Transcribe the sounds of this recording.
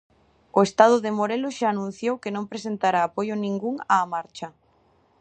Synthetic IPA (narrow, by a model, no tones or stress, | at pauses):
oest̪að̞ʊðemoɾelʊʃaːnũn̟θjowkenõmpɾesent̪aɾaːpojʊnĩŋɡuŋaːmaɾt͡ʃɐ